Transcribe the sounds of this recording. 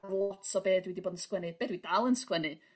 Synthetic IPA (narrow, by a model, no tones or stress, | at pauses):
vlˠɔtʰɔbeːdwidiboːdən̩skwənɨb̥eːdwidalˠənskwənɨ